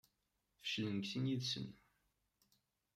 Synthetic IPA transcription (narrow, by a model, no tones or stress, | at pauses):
fə̥ʃlənəɡθinjiðsə̰n